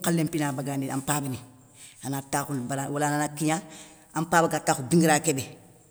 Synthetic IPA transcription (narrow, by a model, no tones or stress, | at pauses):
kalːempinabaɡandia̰mpaːbini | anatakunbaɾawalananakːiɲa | ampaːbakatːaːkubiŋɡiɾaːkebe